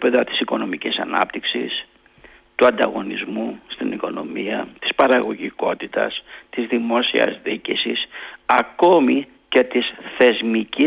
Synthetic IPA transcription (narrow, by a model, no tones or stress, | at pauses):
peðɐt̪i̥siko̞no̞micisɐ̰nɐ̰pt̪iksḭs | t̪uɐnd̪ɐɣo̞nizmust̪iniko̞no̞̰miɐt̪i̥spɐɾɐɣo̞ʝiko̞t̪it̪ɐ̰st̪izðimo̞siɐ̰zðicisisɐko̞mi | ce̞t̪isθe̞zmici